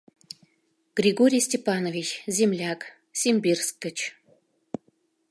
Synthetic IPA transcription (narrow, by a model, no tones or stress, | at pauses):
ɡ̥rʲiɡoɾʲijsʲtʲepɑnovʲit͡ɕzʲemlʲɑk | sʲemʲbʲirskːə̆t͡ɕ